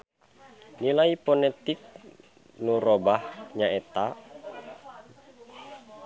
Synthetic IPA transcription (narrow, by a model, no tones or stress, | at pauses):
nilaipɔnɛt̪ik̚ | nuɾɔbahɲaɛt̪a